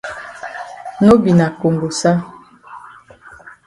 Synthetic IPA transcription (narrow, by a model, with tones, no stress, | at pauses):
no˦bi˨na˨ko˨ŋɡo˨sa˦